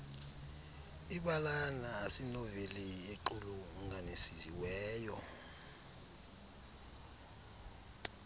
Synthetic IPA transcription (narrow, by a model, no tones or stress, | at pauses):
iɓalanaːsinɔvelieǃuluŋanesizḭwɛːjɔ